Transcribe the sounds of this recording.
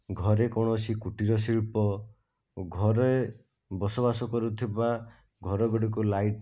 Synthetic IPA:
ɡʱɔɾekɔɽ̃ɔsikuʈiɾɔs̬iɭpɔ | ɡʱɔɾe | bɔsɔβasɔkɔɾut̪ʰiba | ɡʱɔɾɔɡɔɽik̬ulajʈ

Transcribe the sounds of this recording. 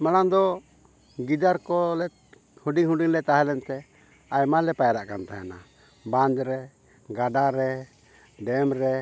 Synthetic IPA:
maɽ̃and̪ɔ | ɡid̪aɾkɔlɛ | huɖiŋhuɖiŋlɛt̪aɦɛlɛnt̪ɛ | ajmalɛpajaɾaʔkant̪aɦɛ̰na̰ | bãɲd͡ʒɾɛ | ɡaɖaɾɛ | ɖɛmɾɛ

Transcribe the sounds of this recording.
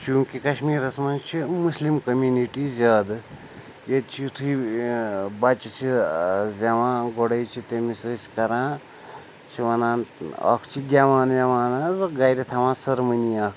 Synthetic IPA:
t͡ʃuːŋkikɐʃmiːɾɐsʰmɐnt͡ʃʰimuslimkɐmʲjuniʈizʲaːd̪ | jet̪t͡ʃʰit̪ʰui | bɐt͡ʃit͡sʰizʲɐʋãːɡoɽɐjt͡ʃʰit̪emisɨːsi̥kɐɾãː | t͡ʃʰiʋɐnaːnɐ̰kʰt͡ʃʰiɡʲaʋaːnjeʋaːnazɐɡajɾit̪ʰɐʋãːsɐɾmɨniaːk

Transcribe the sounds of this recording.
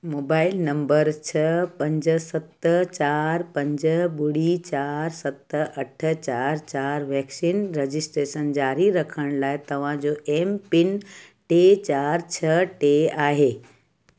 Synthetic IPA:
moːbaːɪlnɐ̃mbəɾt͡ɕʰɐpɐ̃ɲd͡ʑsɐt̪ət͡ɕaːɾpɐ̃ɲd͡ʑəɓʊɽit͡ɕaːɾsɐt̪ɐʈʰə̆t͡ɕaːɾt͡ɕaːɾʋɛːksiːnɾed͡ʑɪsʈɾeːʃənd͡ʑaːɾiɾɐkʰəɽ̃laːɪt̪ɐʋ̤ãd͡ʑoːʔeːmpɪn | ʈet͡ɕaːɾt͡ɕʰɐʈeaːɦeː

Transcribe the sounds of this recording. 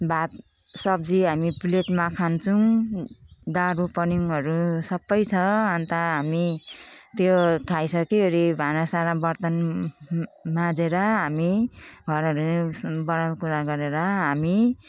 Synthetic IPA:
bʱat̪sʌb̚d͡ziɦamipuleʈmakʰant͡sʰũ | d̪aɾupʌniŋɦʌɾusʌbːʌjt͡sʰʌʌnt̪ʌɦamit̪jot̪ʰajsʌkiɦoɾibʱanʌsaɾabʌrt̪ʌn | mad͡zeɾʌɦamiɡʱʌɾʌɾubʌɾalkuɾaɡʌɾeɾʌɦami

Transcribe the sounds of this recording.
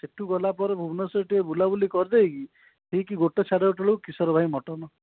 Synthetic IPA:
seʈʰuɡɔlapɔɾebʱubnɔsɔʈiebulabulikɔɾd̪ejki | ʈʰikiɡoʈet͡ʃʰaɽeoʈɔɭewkisɔɾɔbʱajmɔʈɔnɔ

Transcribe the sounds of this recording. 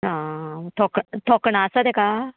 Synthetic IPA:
ɦãt̪ʰɔkt̪ʰɔkɳasad̪eka

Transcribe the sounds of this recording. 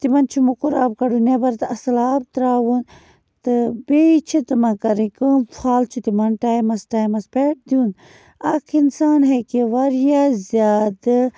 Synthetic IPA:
t̪imɐnt͡ʃʰumukuɾa̰ːbkɐɖunebɐɾt̪ɐsɐlaːb̚t̪ɾaːʋun | t̪ɨbet͡ʃʰit̪ɨmɐkɐɾĩkɨnpʰaːlt͡ʃʰut̪imɐnʈaːjmɐsʈaːjmɐspeʈ̚d̪juːn | ɐkʰinsaːnɦekiʋɐɾjazaːd̪ɨ

